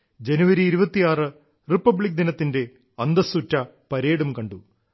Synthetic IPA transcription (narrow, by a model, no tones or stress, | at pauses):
d͡ʑɐnuʋɐɾiːɾubɐt̪ːijaːrɨ | ripːɐbɭik̚ːd̪inɐt̪ːinde̞ | ɐnd̪ɐsutːɐ | pɐɾeːɽumkɐɳɖu